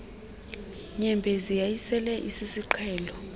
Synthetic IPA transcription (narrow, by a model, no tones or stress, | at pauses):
ɲɛmbʱɛzijajisɛlɛʔisisiǃʰɛːlɔ